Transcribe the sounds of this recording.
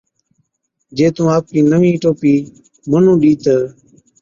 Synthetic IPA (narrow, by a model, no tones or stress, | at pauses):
d͡ʒeːt̪ũːaːp̚kiːnəʋĩːʈoːpiː | mənũːɗiːt̪əː